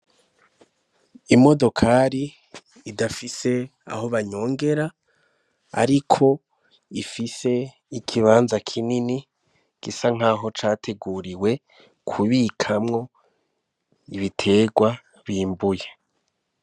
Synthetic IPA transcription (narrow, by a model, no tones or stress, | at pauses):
imo̞do̞kʰaɾiː | dafise̞a̰ho̞βaɲo̞ːŋɡe̞ɾa | a̰ɾikʰo̞ | ifise̞ | ikʰiβaːnzakʰinini | ɡ̥isaŋ̥aːɦo̞t͡ʃaːtʰe̞ɡuɾiwe̞ | kʰuβikʰamŋo̞ | iβitʰe̞ːɡwa | βiːmbuje